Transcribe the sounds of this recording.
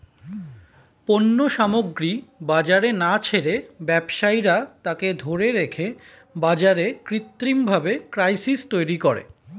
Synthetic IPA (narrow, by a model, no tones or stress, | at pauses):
ponːoʃamoɡɾibad͡ʑaɾenat͡ɕʰeɾebɛbʃajɾat̪aked̪ʱoɾeɾekʰe | bad͡ʑaɾekɾit̪ːɾimbʱabekɾajsist̪ojɾikoɾḛ